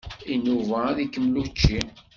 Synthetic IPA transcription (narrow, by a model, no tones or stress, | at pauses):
inuvaðikːəmːlut͡ʃːi